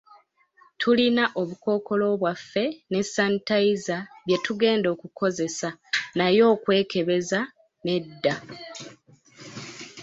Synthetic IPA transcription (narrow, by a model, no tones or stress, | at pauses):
tʰulinaʔo̞βuko̞ːko̞lo̞ːβwafːe̞ne̞sːantaizaβje̞tuɡe̞ːndo̞ːkukʰo̞ze̞sanajo̞ːkwe̞ːke̞βe̞za | ne̞dːa